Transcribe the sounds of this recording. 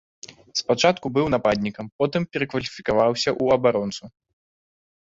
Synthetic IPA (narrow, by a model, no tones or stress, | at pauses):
spat͡ʂat̪kubɨwnapad̪ʲnʲikɐmpɔt̪ɨmpʲɛɾɐkvɐlʲifʲikavawsʲɐʔuɐbaɾɔnt̪su